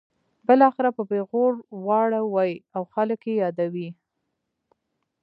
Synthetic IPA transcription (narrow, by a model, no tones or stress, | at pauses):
bəlɑxɪɾapəbeɣoɽwɑɽawajawxaləkjejɑd̪awi